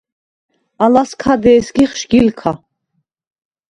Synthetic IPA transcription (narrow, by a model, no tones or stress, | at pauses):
alaskʰad̪ɛːsɡiχʃɡilkʰa